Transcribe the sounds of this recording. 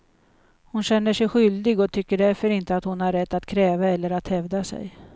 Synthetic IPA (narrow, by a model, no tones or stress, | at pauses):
hʊnɕɛnːəʂɛjɧʏld̪ɪɡɔt̪ʰʏkːəɖæɾfœɾɪnt̪əat̪hʊnhaɾːɛt̪ːat̪kʰɾɛːvaɛlːəɾat̪hɛvd̪asɛ̰j